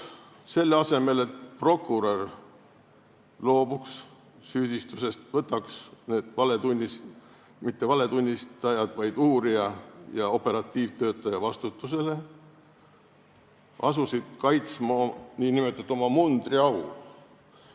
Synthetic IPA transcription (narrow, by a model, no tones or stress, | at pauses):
se̞lːeɑse̞me̞le̞t̪̚pro̞kːuɾor | lo̞ːbuks | syːd̪̥ist̪use̞st̪vɤt̪ːɑksne̞ːd̪̥vɑle̞d̪unʲːis | mit̪ːe̞vɑle̞t̪unʲːist̪ɑjɑd̪̥vɑjd̪uːɾiɑjɑo̞pe̞ɾɑt̪ːˑiːvt̪ø̞ːt̪ːˑɑjɑvɑst̪ut̪ːˑuse̞le̞ | ʔɑsusid̪̥kɑjt̪smɑniːnime̞t̪ːˑut̪ːo̞mɑmund̪riɑwl